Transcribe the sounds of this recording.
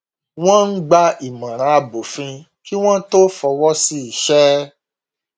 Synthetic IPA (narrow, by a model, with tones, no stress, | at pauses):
w̃ɔ̃˦n̩˦ɡ͡ba˧i˨mã˨ɾ̃ã˨˧a˧bo˨fĩ˧ | ki˦w̃ɔ̃˦to˦fɔ˧wɔ˦si˦i˨ʃɛ˦